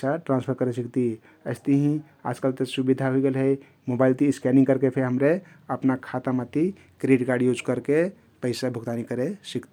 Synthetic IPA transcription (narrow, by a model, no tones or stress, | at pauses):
aʈɾãnspʰəɾkəɾesikt̪i | əɪst̪iɦĩ | a̰d͡ʒkəlt̪esubid̪ʱaɦuiɡelɦəj | mobaɪlt̪iskɛnĩŋkəɾkepʰeɦəmɾe | əpnakʰat̪amat̪i | kɾiɖkaɾɖjod͡ʒkəɾke | pəɪsabʱuɡt̪anikəɾesikt̪i